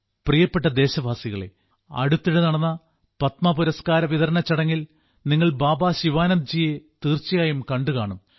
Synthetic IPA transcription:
prijɐpːeʈːɐd̪e̞ːɕɐbʱaːsiɣɐɭe̞̰ | ɐ̰ɽut̪ːiɽenɐɽɐnːɐ | pɐt̪mɐpuɾɐskaːɾɐʋiðɐɾɐnɐt͡ɕːɐɽɐŋːil | niŋːɐɭbaːbaːɕiʋaːnɐnd͡ʑiːjet̪iːrt͡ɕːijaːjumkɐɳɖɨkaːɳum

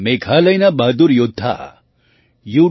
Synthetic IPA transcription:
mekʰalɐjnɐbad̪uɾjud̪ʱːa̰ | ju

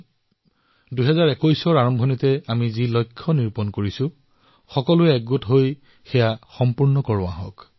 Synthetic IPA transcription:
dujɦɛzaɹɛkojsɔɹaɹɔmbʱɔnitɛamizilɔjkʰːɔniɹpɔnkoɹisʊ̃ | xɔkɔlʊɛɛɡ̚ɡotɦoj | xɛjaxɔmpuɹnɔkɔɹʊa̰ɦɔ̰k

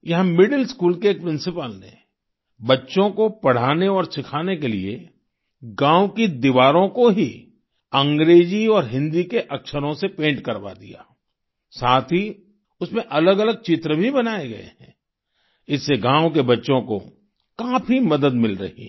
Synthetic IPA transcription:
jɐɦmɪɖəlskuːlkeːk̚pɾɪ̃nsɪpəlnḛ | bɐtːʃõkopɐɽ̤aːneɔːɾsɪkʰaːnek̬elḭe | ɡãːwkid̪iʋaːɾõkoɦi | ɐ̃ŋɡɾeːd͡ʒiɔːɾɦɪ̃nd̪ikeʔɐkʃəɾõsepẽːɳʈkɐɾba̰d̪ija̰ː | saːt̪ʰɦi | ʊsmẽʔɐləɡɐləɡ̚t͡ʃɪt̪ɾəbʱibɐnaːeɡɐ̰ḛɦɛ̃ː | ɪsːeɡãːwk̬ebɐtːʃõko̰ | kaːpʰimɐd̪əd̪mɪlɾɐ̰ɦḭ

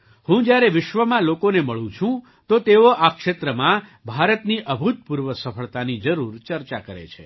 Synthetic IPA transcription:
hũd͡ʒjaɾeʋɪʃʋəmãlokoneməɭũt͡ʃʰũ | t̪ot̪eoʔakʃet̪ɾəmãbʱaɾət̪niʔəbʱut̪̚puɾʋəsəfʰəɭt̪anid͡ʒəɾuɾt͡ʃəɾt͡ʃakəɾḛt͡ʃʰḛ

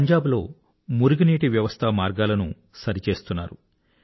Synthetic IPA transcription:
ɐɲd͡ʒaːblo̞ː | muɾuɡiniːʈiʋjɐʋɐst̪ʰɐmaːɾɡaːlɐnṵ | sɐɾit͡ʃe̞ːst̪unːa̰ːɾu

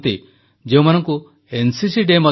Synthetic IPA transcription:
t̪i | d͡ʒeũmanɔŋku | ensisiɖemɔ

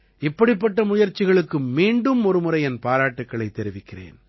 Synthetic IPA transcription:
ɪpːɐɽɪp̬ːɐʈːɐmʊjɐɾt͡ʃːɪɣɐɭɯkːɯmmiːɳɖɯmɔɾɯmɯɾɐɪɛnpaːɾaːʈːɯkːɐɭɐɪt̪ːɛɾɪʋɪkːɪrḛːn

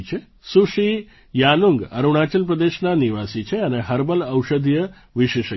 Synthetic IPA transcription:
t͡ʃʰe | suʃi | januŋɡə̰ɾuɽ̃at͡ʃəlpɾəd̪eʃnaniʋasit͡ʃʰeəneɦəɾbələwʃəd̪ʱjə | ʋiʃeʃə

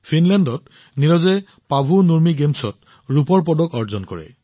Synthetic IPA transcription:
pʰinlɛndɔt | niɹɔzɛ | pabʱunuɹmiɡemsɔt̚ | ɹupɔɹpɔdɔkɔɹzɔnkɔ̰ɹɛ̰

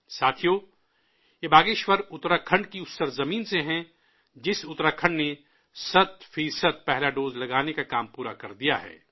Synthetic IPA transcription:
saːt̪ʰijoː | jebaːɡeːʃwəɾʊt̪ɾakʰə̃ɳɖkiʊt̪səɾzɐmiːnseɦɛ̃ | d͡ʒɪsʊt̪ɾakʰə̃ɳɖne | sɐt̪fiːsəd̪̚pɛɦlaɖoːzlɐɡaːnekakaːmpuːɾa̰kɐɾd̪ija̰ɦɛ̰ː

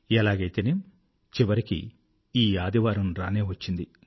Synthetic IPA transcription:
ɛlaːɡɐjt̪eːnem | t͡ʃiʋɐɾikḭ | iːaːd̪iʋaːɾɐnɾaːne̞ːʋɐt͡ʃːind̪i

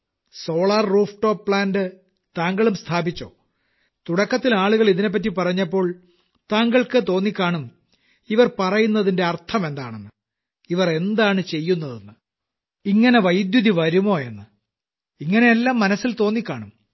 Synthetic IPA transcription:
so̞ːɭarːuːfʈːo̞ːpːɭaːndɨ | t̪aːŋɡɐɭumst̪ʰaːbit͡ɕːoː | t̪uɽɐkːɐt̪ːilaːɭuɣɐɭiðine̞p̬ːɐt̬ːipɐrɐɲːɐpːo̞ːɭ | t̪aːŋɡɐɭkɨt̪o̞ːnːikʲːaːɳum | iʋɐrpɐrɐjunːɐðinde̞ɐrt̪ʰɐmend̪a̰ːɳenːɨ | iʋɐre̞nd̪aːɳɨt͡ɕe̞jːunːɐðenːɨ | iŋːɐne̞ʋɐjd̪juðiʋɐɾumo̞ːe̞nːɨ | iŋːɐne̞elːaːmːɐnɐsːilt̪o̞ːnːikʲːaːɳum

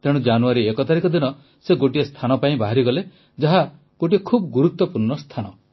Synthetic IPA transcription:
t̪eɽ̃ũd͡ʒanuaɾiekɔt̪aɾikɔd̪inɔ | seɡoʈiest̪ʰanɔpaĩbaɦaɾiɡɔle | d͡ʒaɦa | ɡ̥oʈiekʰubɔɡuɾut̪wɔpuɾɳɔst̪ʰanɔ

